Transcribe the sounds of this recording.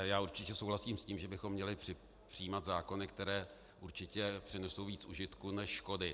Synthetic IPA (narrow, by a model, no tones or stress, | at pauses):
jaːuɾt͡ʃɪcɛsowɦlasiːmsciːmʒɛbɪxo̞mːɲɛlɪpr̥ɪ | pr̥ɪjiːmat̪zaːko̞nɪkt̪ɛɾɛː | ʔuɾt͡ʃɪcɛpr̥ɪnɛso̞wviːt͡sʔṵʒɪt̪kunɛʃːko̞dɪ